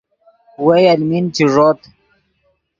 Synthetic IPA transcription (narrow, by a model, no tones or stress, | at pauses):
wejalmint͡ɕiʐot̪